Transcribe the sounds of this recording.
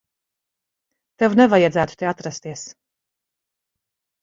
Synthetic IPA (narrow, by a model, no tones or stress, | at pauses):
t̪evnevajad̪zæːt̪u̥t̪eat̪ɾast̪iɛs